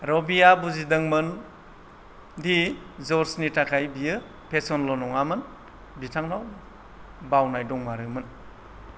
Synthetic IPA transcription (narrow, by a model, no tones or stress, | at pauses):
ɾɔbijabuzidɯŋmɯn | dizɔɾsnitakʰajbijɯ | pʰesɔnlɔnɔŋamɯn | bitʰaŋnaw | bawnajdɔŋmaɾɯmɯn